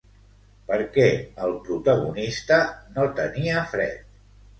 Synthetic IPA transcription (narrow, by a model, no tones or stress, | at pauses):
pəɾkɛəlˠpɾut̪əɣ̞ṵnist̪ənot̪əniəfɾɛ̰t̪̚